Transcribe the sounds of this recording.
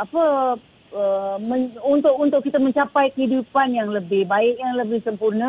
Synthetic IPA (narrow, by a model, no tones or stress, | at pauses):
apə | əmə̃unt̪ʊk̚unt̪ʊkːit̪amə̃ɲt͡ʃapajkəɦidupanjaŋləbɪhbaɪkjaŋləbɪhsəmpurnə